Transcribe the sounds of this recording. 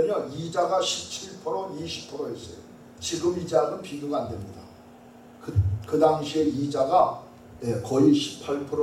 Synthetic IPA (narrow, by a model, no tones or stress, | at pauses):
ʌɲʌid͡ʑaɡaɕʰip̚t͡ɕʰiɭpʰɯɾoniɕʰi̥pʰɯɾoɦes͈ʌjo̰ | t͡ɕiɡɯmid͡ʑanɯnpiɡjuɡandemɲida̰ | kɯkɯdaŋɕʰie̞id͡ʑaɡa | jekʌiɕʰi̥pʰaɭpʰɯɾo